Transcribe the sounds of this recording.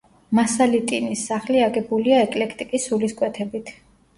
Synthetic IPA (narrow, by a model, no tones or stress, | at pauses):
masalit̪ʼinisːaχliaɡɛbuliaɛkʼlɛkʰt̪ʼikʼisːuliskʼwɛt̪ʰɛbit̪ʰ